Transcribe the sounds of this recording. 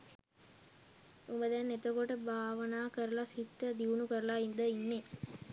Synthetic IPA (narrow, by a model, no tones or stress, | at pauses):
umbəd̪ɛnːet̪əkoʈəbaːʋənaːkəɾəlasit̪ːəd̪iʋunukəɾəlaind̪əinːe